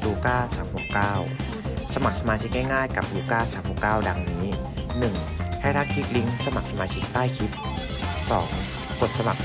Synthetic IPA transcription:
luː˧kaː˥˩saː˩˦mho˨˩kkaː˥˩w | sa˧ma˨˩k̚sa˧maː˧t͡ɕʰi˦˥k̚ŋɛ˥˩jŋaː˥˩jka˨˩p̚luː˧kaː˥˩saː˩˦mho˨˩kaː˥˩wda˧ŋniː˦˥nɯ˨˩ŋ | tʰa˥˩jɾʰaː˥˩n̚kʰi˦˥t̪̚li˦˥ŋsa˧ma˨˩k̚sa˧maː˧t͡ɕʰi˦˥k̚t̪aː˥˩jkʰi˦˥t̪̚ | sɔ̰ː˩˦ŋ | ko˨˩t̪̚sa˧ma˨˩k̚

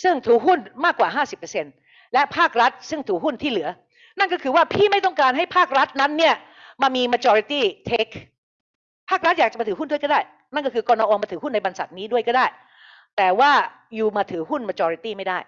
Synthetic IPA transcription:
sɯ˥˩ŋt̪ʰuː˩˥ɦu˥˩nmaː˥˩kːwaː˨˩ɦaː˥˩si˨˩pːa˧se˧n | lɛ˦˥pʰaː˥˩k̚ɾa˦˥t̪̚sɯ˥˩ŋt̪ʰuː˨˩˥ɦu˥˩nt̪ʰiː˥˩lɯ˩˦ɐ | na˥˩nkɔː˥˩kʰɯː˧waː˥˩pʰiː˥˩ma˥˩jt̪ɔ˥˩ŋkaː˧nɦa˥˩jpʰaː˥˩k̚ɾa˦˥t̪̚na˦˥nːi˥˩ɐ | maː˧miː˧maː˧t͡ɕɔː˧ɾi˧t̪iː˥˩t̪ʰeː˦˥kʰ | pʰaː˥˩k̚ɾa˦˥t̪̚jaː˨k̚t͡ɕa˨˩maː˧t̪ɯ˩˦ɦndu˥˩əkːdaː˥˩j | na˥˩nkɔ˥˩kʰɯː˧kɔː˧naː˧ʔoː˧maː˧t̪ʰɯ˩˦ɦu˥˩nːa˧jba˧nsa˨˩t̪̚niː˦˥du˥˩əjkɔː˥˩daː˥˩j | t̪ɛː˨˩waː˥˩ | juː˨˩maː˧t̪ʰɯː˩˦ɦu˥˩nmaː˧t͡ɕɔː˧ɾi˧˥t̪iː˥˩ma˥˩jdaː˥˩j

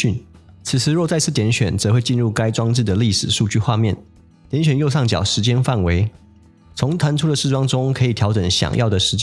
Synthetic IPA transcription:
y˥˩n | t͡s̩ʰ˨˩t͡sʰɹ̩˧˥ɻwɔ˥˧t͡sa˥˧ɪt͡s̩ʰ˥˩t̪jɛ˧˥nɕɥɛ˨˩nt͡sɤ˧˥xwe˥˧ɪt͡ɕi˥˧nɻu˥˩ka˥ɪʈ͡ʂwɑ˥ŋʈ͡ʂɻ̩˥˩d̪ə˩li˥˩ʂɻ̩˨˩ʂu˥˧t͡ɕy˥˧xwa˥˧mjɛ˥˩n | t̪jɛ˧˥nɕɥɛ˨˩njo˥˧ʊʂɑ˥˩ŋt͡ɕjɑ̰˨˩ʊʂɻ̩˧˥t͡ɕjɛ˥nfa˥˩nwe˧˥ɪ | t͡sʰʊ˧˥ŋt̪ʰa˧˥nʈ͡ʂʰu˥d̪ə˨ʂɻ̩˥˩wɑ˥ŋʈ͡ʂʊ˥ŋkʰɤ˧˥i˨˩t̪ʰjɑ˧˥ʊʈ͡ʂə˨˩˦ŋɕjɑ̰˨˩ŋjɑ˥˩ʊd̪ə˩ʂɻ̩˧˥t͡ɕ

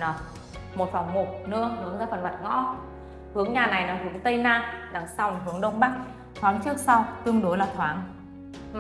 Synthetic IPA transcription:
nɔ˨˩˦ | mo˨˩t̚fa˨˩wŋ͡mŋo˨˩t̚nɨ̰˧˥əhɨ˨˦əŋzaː˧˩fə˨˩nmə˨˩t̚ŋɔ̰˧˥ | hɨ˨˦əŋɲaː˨˩na˨˩jnɔː˨˩hɨ˨˦əŋt̪ə˧jnaː˧ɗa˨˩ŋsa˧˩wŋ͡mɦɨ˨˦əŋɗə˧wŋ͡mɓa˦˥k̚ | t̪ʰwaː˨˦nt͡ɕɨ˦˥ək̚sa˧wt̪ɨ˧əŋɗo˨˦laː˨˩t̪ʰwaː˨˦ŋ

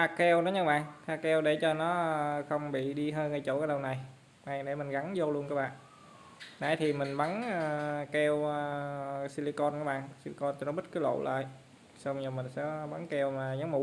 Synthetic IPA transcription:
taː˧kɛ˧wnɔ˨˦ɲə˧ɓa̰ː˧˨ŋt̪ʰaː˧˩kɛ˧wɗe˧˩t͡ɕɔ˧nɔ˨˦xə˧wŋ͡mɓḭ˧˨ɗi˧ɦəː˧jŋa˨˩jt͡ɕo˧˩ʔaː˨˦ɗə˧wna˨˩j | na˨˧˩jɗe˧˩mï˨˩ŋ̟ɣa˨˦ŋzo˧lu˧ənkɔː˧˦ɓa̰ː˧˨ʔ | na˧˩jt̪ʰi˨˩mï˨˩ŋ̟ɓa˨˦nː˧kɛ˧wəsi˧li˧kɔ˧nʔaː˨˦ɓa̰ː˧˨ŋsi˧li˧kɔ˧nt͡ɕɔ˧˩nɔ˨˦ɓə˦˥t̚kɨː˨˦lo̰˧˨lə̰ː˧˨j | sa˧wɲəː˨˩mï˨˩ŋ̟sɛ̰˧˥ɓa˨˦ŋkɛ˧wmaː˨˩ɲa˨˦ŋmu˧˨˦

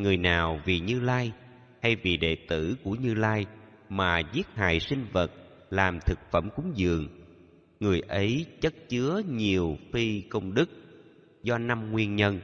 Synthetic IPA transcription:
ŋɨ˨˩əjnaː˨˩wvi˨˩ɲɨ˧laː˧j | ha˧jvi˨˩ɗḛ˨˩t̪ɨ˧˩ku˧˩əɲɨ˧laː˧j | maː˨˩zi˦˥ət̚ha̰ː˧˨jsï˧ŋ̟və˨˩t̚ | laː˨˩mt̪ʰɨ˨˩k̚fə˧˩mkʊ˨˦ŋ͡mzɨ̰˧˨əŋ | ŋɨ˨˩əjʔə˨˦jt͡ɕə˦˥t̚t͡ɕɨ˨˦əɲi˨˩əwfi˧kə˧wŋ͡mɗɨ˦˥k̚ | zɔ˧na˧mŋwi˧ənɲə˧n

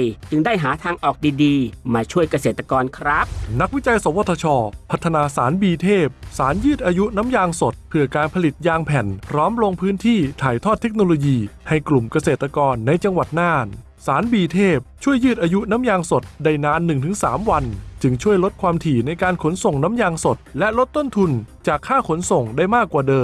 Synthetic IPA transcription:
jt͡ɕɯ˧ŋdaː˥˩jɦaː˩˦t̪ʰaː˧ŋʔɔː˨˩k̚diː˧diː˧maː˧t͡ɕʰu˥˩əjka˧seː˨˩t̪ːɾa˧kɔː˧nkʰɾa˦˥p̚na˦˥k̚wi˦˥t͡ɕa˧jso˩˦wo˧˩t̪ʰːa˧t͡ɕʰɔː˧pʰa˦˥t̪ʰːa˧naː˧saː˩˦nbiː˧t̪ʰeː˥˩p̚saː˩˦njɯː˥˩t̪̚ʔaː˧ju˦˥na˦˥mjaː˧ŋso˨˩t̪̚pʰɯ˧˩ɐkaː˧npʰa˧li˨˩t̪̚jaː˧ŋpʰɛ˨˩npʰɾɔː˦˥mlo˧ŋpʰɯː˦˥nt̪ʰiː˥˩t̪ʰaː˨˩jt̪ʰɔː˥˩t̪ʰːe˦˥k̚noː˧loː˧jiː˧ha˧˩jklu˨˩mka˧seː˨˩t̪ːɾa˧kɔː˧nːa˧jt͡ɕa˧ŋwa˨˩t̪̚naː˧˥˩n | saː˩˦nbiː˧t̪ʰeː˥˩p̚t͡ɕʰu˥˩əjːɯː˥˩t̪̚ʔaː˧ju˦˥naː˦˥mjaː˧ŋso˨˩t̪̚da˧˩jnaː˦˥nːɯ˨˩ŋt̪ʰɯ˩˦ŋsaː˩˦mwa˧nt͡ɕɯ˧ŋt͡ɕʰu˥˩əjlo˦˥t̪̚kʰwaː˧mt̪ʰiː˨˩na˧jkaː˧nkʰo˩˦nso˨˩ŋna˦˥mjaː˧ŋso˨˩t̪̚lɛ˦˥ʔlo˦˥t̪ːo˥˩nt̪ʰu˧nt͡ɕaː˨˩kʰːaː˥˩kʰo˩˦nso˨˩ŋdaː˥˩jmaː˥˩kːwaː˨˩dɤː˧

